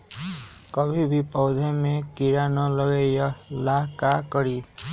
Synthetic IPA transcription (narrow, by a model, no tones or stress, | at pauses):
kəbʱibʱipɔwd̪ʱemẽkiɾanɔləɡejɔlakakəɾiː